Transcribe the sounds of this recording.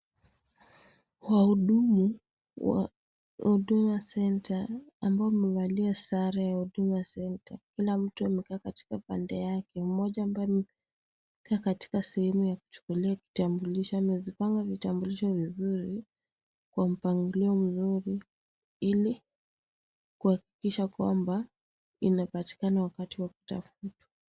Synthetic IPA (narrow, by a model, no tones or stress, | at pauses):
wahuɗumu | wa̰ | uɗumuasɛntʰaːmbaɔmɛwaliasaɾajahuɗumujasɛntakilam̩tuamɛkaːkati̥kapa̰ndɛjakɛumɔʄaːmbajɔmɛ | kʰaːkati̥kasɛhɛmujaku̥t͡ʃu̥kuliaki̥tambuliʃɔamɛzipaŋɡavitambuliʃɔvizuɾi | kwam̩paŋɡuliɔm̩zuɾi | ili | kuhaki̥kiʃakwa̰mba | inapati̥kanawakatiwaku̥ta̰futḁ